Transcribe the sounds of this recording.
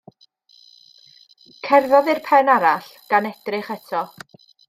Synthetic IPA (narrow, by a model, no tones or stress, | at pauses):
kʰɛrðɔðɨrpʰɛnaɾaɬɡ̥anɛdrɪχɛtʰɔ